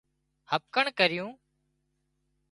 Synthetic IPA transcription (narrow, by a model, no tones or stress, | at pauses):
həp̚kəɳkəɾɪjũː